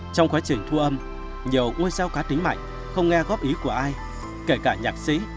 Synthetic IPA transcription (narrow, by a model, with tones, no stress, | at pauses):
t͡ɕɔ˧wŋ͡mxwaː˨˦t͡ɕï˨˩ŋ̟t̪ʰu˧ʔə˧m | ɲi˨˩əwŋu˧jsaː˧wkaː˨˦t̪ï˨˦ŋ̟ma̰ː˧˨jŋ̟ | xə˧wŋ͡mŋɛ˧ɣɔ˦˥p̚ʔi˨˦ku˧˩əʔaː˧j | ke˧˩kaː˧˩ɲaː˨˩k̚sḭ˧˥